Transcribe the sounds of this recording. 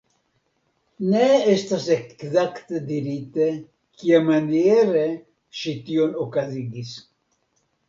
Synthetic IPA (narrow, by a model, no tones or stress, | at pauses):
neest̪asekzakt̪ed̪iɾit̪e | kiamanjeɾe | ʃit̪ionokaziɡis